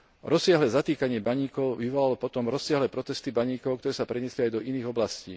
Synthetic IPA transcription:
ɾɔsɪaɦlɛːzat̪iːkaɲɪɛbaɲiːkɔʊʋiʋɔlalɔpɔt̪ɔmɾɔsːɪaɦlɛːpɾɔt̪ɛst̪ibaɲiːkɔʊkt̪ɔɾɛːsapɾɛɲɛsliajd̪ɔʔiniːɣɔblascḭː

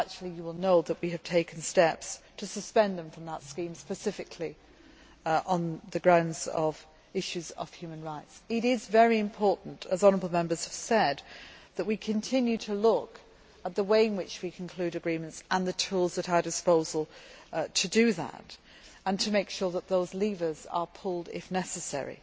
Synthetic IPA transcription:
ak̚t͡ʃul̩ˠijɨwɪlˠnoʊðəʔ̚wiɨv̥tʰeɪkn̩stɛpstʰɨsɨspɛ̃nðə̃ɱfɹʌ̃mðətskĩmspɨsɪfɨkʰli | ʔə̃nðɨɡɹãʊ̃ndzəv | ɪʃʉzə̰v̥hjʉmə̃nɹaɪtsɪɾɪzvɛɹiɨ̃mpʰɔɹʔn̩tʰəzɑ̃nə˞əbl̩ˠmɛ̃mbə˞z̥əv̥sɛd̪̚ðəʔ̚wikʰɨ̃ntʰɪ̃njʉɾʰəlʊk | ət̪̚ðəweɪɨ̃nwɪt͡ʃwikʰn̩kʰl̥ʉɾɨɡɹĩmə̃ntsə̃nðɨtʰulˠzðəɾaɪdɨspoʊzəl̩ˠtʰɨdɨðə̰t | ə̃ntʰɨmeɪkʃɔɹðət̪̚ðoʊzlivə˞zə̰˞pʰʊlˠdɪ̰fnɛsɨsɛ̰ɹḭ

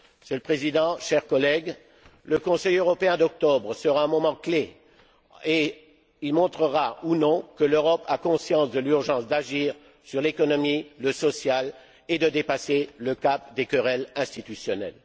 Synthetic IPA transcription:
ʃɛlpχezid̪ɑ̃ʃɛʁkɔlɛɡ | ləkɔ̃sɛjøʁɔpeɛ̃d̪ɔk̚t̪ɔbʁəsəʁaɛ̃mɔmɑ̃kle | e | ilmɔ̃t̪χəʁaunɔ̃kəløʁɔpʰakɔ̃sjɑ̃sd̪əlyʁʒɑ̃sd̪aʒiːʁ | syʁlekɔnɔmiləsɔsjal | ed̪əd̪epaseləkap̚d̪ekəʁɛlɛ̃st̪it̪ysjɔnɛ̰l

